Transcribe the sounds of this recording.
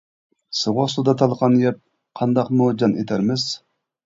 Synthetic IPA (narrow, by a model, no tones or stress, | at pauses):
sɨʁoχsud̪ɑt̪ʰɑlˠəqʰɑnjɛp̚ | qʰɑnd̪ɑqmud͡ʒɑnʔet̪ʰæɾmɪz̥